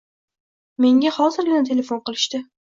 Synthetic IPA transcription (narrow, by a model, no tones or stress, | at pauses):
me̞ŋʲahɒzɪɾɡʲɪɪt̪ʰe̞lʲe̞fonqɨlˠɪʃt̪ɪ